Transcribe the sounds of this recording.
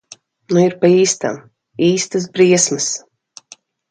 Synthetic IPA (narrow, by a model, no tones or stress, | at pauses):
nuiɾpaiːst̪a̰m | iːst̪ɨs̬bɾiɛsmɨs